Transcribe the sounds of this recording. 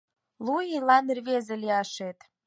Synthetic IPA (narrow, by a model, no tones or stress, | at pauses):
lujilɑnerβezĕlʲiɑʃet̪